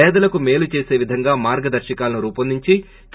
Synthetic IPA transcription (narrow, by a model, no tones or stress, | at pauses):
ɛːd̪ɐlɐkume̞ːlut͡ʃe̞ːse̞ːʋid̪ʱɐŋɡaːmaːɾɡɐd̪ɐɾʃɐkaːlɐnuɾuːpɐnd̪iɲt͡ʃi | t͡ʃ